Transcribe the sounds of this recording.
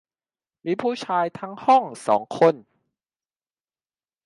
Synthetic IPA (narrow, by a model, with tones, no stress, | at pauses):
miː˧˥˩pʰuː˥˩t͡ɕʰaː˧jt̪ʰa˦˥ŋhɔ˥˩ŋsɔ̰ː˩˦ŋkʰo˧˩n